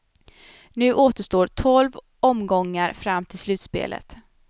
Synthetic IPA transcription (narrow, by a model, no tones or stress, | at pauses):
nʉ̟ːʔoːt̪əʂt̪oːt̪ʰɔlv | ɔmɡɔŋːəɾfɾamːt̪ʰɪlslʉ̟ːt̪spḛːlə̰t̪